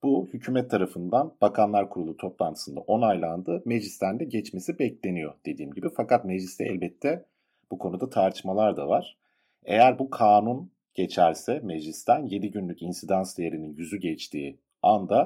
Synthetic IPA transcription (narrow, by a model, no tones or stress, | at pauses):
b̥uhycʰyːmɛt̪ʰːaɾafɯnd̪anb̥akʰanlˠaɾkʰuɾulˠut̪ʰo̞plˠant̪ʰɯ̥sɯnd̪a̰ʔo̞najlˠand̪ɯːme̞ʒist̪ʰænd̪ɛɟɛt͡ʃme̞sibɛclʲe̞nijo̞d̪̥e̞d̪iːmɟibifakʰat̪me̞ʒlʲist̪ɛʔɛ̰lʲbɛt̪ʰːɛ | b̥ukʰo̞nud̪at̪ʰaɾt̪ʰɯ̥ʃmalˠaɾd̪avaɾ̥ | e̞̰jæɾbukʰaːnun | ɟ̥e̞t͡ʃʰæɾsɛme̞ʒist̪ʰænje̞d̪iɟynlʲycinsid̪ansd̪ejeɾininjyzyɟɛt͡ʃt̪ʰiː | and̪a